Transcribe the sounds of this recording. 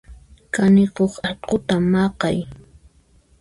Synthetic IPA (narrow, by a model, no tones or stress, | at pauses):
kanɪqoχɑqʊt̪amːɑqɑj